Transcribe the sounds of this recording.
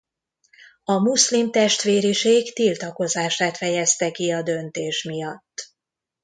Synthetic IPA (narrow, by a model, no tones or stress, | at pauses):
ɒmuslimt̪ɛʃt̪ʋeːɾiʃeːkt̪ilt̪ɒko̞zaːʃaːt̪fɛjɛst̪ɛkiɒd̪ø̞nt̪eːʃmijɒt̪ː